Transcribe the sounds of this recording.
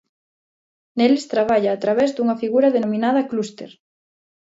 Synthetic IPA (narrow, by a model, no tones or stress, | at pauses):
nelest̪ɾaβ̞aʎaːt̪ɾaβɛzd̪uŋɐfiɣuɾɐðenomĩnað̞ɐklust̪ḛɾ